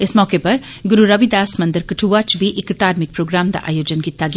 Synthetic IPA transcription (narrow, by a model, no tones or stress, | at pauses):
ɪsmɔːkepɐɾ | ɡʊɾuɾɐʋid̪aːsmɐ̃nd̪əɾkɐʈʰuːʋaːt͡ʃbʱiʔɪkːt̪aːɾmɪk̚pɾoːɡɾaːmd̪a̰ʔa̰ːjoːd͡ʒənkɪt̪ːaɡ